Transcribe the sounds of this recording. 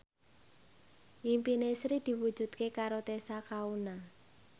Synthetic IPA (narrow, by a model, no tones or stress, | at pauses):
ʔimpinesɾid̪̥i̤wu̥ʒ̥ṳt̪̚kekaɾot̪esakauna